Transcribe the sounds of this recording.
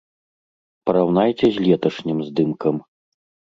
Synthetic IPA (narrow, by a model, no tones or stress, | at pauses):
pɐɾawnajt͡sʲɛzʲlʲɛt̪ɐʂnʲimzd̪ɨmkɐm